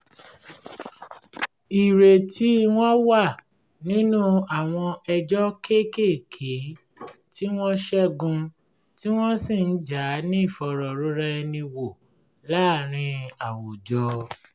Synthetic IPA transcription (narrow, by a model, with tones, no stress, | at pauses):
i˨ɾe˨tʰi˨˦w̃ɔ̃˦wa˦˨ | nĩ˦nũ˦a˨w̃ɔ̃˧ɛ˧d͡ʒɔ˦ke˦ke˦˨kʰe˨˦ | ti˦w̃ɔ̃˦ʃɛ˦ɡũ˧ | ti˦w̃ɔ̃˦si˦˨n̩˦d͡ʒa˨˦nĩ˦˨fɔ˧ɾɔ˨ɾu˨˦ɾɛ˦ɛ˧nĩ˧wo˨ | la˦˨ɾ̃ĩ˧a˨wo˨d͡ʒɔ˧˦